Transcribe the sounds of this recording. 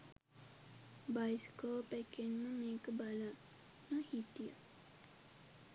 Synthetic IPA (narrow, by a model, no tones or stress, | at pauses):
bajskoːpækːenːəmeːkəbalaː | əhit̪ija̰